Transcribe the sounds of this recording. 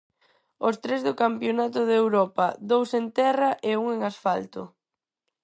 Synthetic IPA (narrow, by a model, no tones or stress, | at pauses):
ost̪ɾezðʊkampjonat̪ʊðewɾɔpɐd̪owsent̪ɛrɐʔeuŋeŋasfalt̪ʊ̰